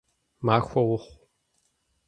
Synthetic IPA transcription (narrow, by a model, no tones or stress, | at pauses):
maːxʷɐwʊχʷ